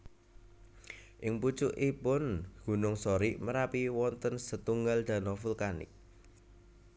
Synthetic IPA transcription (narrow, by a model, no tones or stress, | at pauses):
ʔɪŋput͡ʃʊʔipʊnɡ̥ṳnʊŋsɔɾiməɾapiwɔnt̪ənsət̪uŋɡald̪̥ä̤nɔfulkanɪ̰k̚